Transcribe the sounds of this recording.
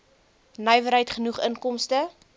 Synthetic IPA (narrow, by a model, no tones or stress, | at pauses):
nœjvəɾəjtχənuχənkɔmstə